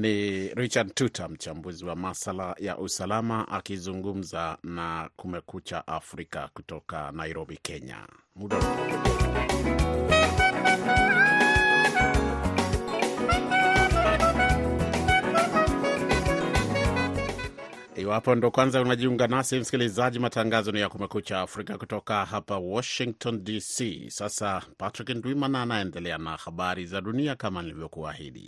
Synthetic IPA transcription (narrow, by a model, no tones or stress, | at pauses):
niɾit͡ʃadtutʰam̩t͡ʃambuziwamasalaja̰ʔusalamaʔakizuŋɡum̩zanakumɛkut͡ʃa̰ʔafɾika̰kutɔka̰naiɾɔbikʰɛɲa̰ | muɗɔɔ | iwapɔndɔkwanzaunaʄiuŋɡanasim̩si̥kilizaʄimataŋɡazɔnijakumɛkut͡ʃaːfɾikakutɔkahapawɔʃiŋk̚tʰɔndisisasapatɾikndwimananaɛndɛlɛana̰haɓaɾizaɗuniakamanilivjɔkua̰hḭɗḭ